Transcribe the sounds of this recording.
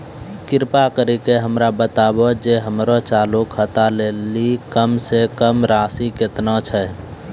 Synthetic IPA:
kɪɾpakəɾikeɦəmɾabət̪aːbod͡ʒeɦəmɾot͡ʃaːlukʰhət̪aleːlikəmsekəmɾaːsikɪt̪nat͡ʃʰɛ

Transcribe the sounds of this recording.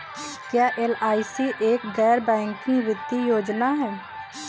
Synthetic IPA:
kjaːʔelaːisiːʔeːkd̪ɛːɾbɛ̃ːŋkĩʋɪt̪ːijoːd͡ʒnaːɦɛː

